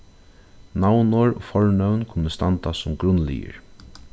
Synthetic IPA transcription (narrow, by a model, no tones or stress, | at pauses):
nawnoɹɔːfɔɹnœwnkʰʊnːəst̪ant̪asʊmɡɾʊnːlḭjə̰ɹ